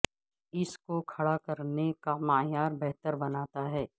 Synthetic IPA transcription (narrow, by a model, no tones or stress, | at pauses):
ɪskokʰɐɽakɐɾnekamaːjaːɾbɛɦt̪əɾbɐnaːt̪aɦɛː